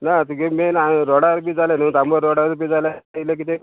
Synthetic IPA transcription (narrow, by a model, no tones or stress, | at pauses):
nat̪ukemenɾɔɽaɾbid͡zalenut̪ambəɾɔɽaɾbid͡zalailek̬it̪e